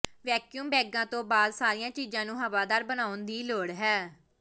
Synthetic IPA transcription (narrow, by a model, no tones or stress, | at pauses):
ʋɛːkjuːmbɛːɡãːt̪õːbaːd̪saːɾɪjãːt͡ʃiːzãːnũːɦəʋaːd̪aːɾbənaːʊnd̪iːloːɽɦɛː